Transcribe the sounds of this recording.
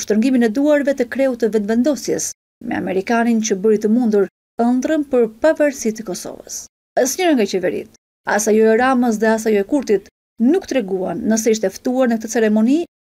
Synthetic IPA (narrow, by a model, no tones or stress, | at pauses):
ʃt̪əɾŋɡiminɛd̪uaɾvɛt̪əkɾɛut̪əvɛnvɛnd̪ɔsjɛ̰s | mɛ̰a̰mɛɾikanint͡ɕəbəɾit̪əmund̪uɾ | ənd̪ɾəmpəɾpavaɾsit̪əkɔsɔ̰və̰s | əsɲəɾaŋɡat͡ɕɛvɛɾḭt̪ | a̰sajɔɛɾaməs̬ðɛas̬ajɔɛkuɾt̪it̪ | nukt̪ɾɛɡuanːəs̬ɛiʃt̪ɛft̪uaɾnək̚t̪ət͡sɛɾɛmɔni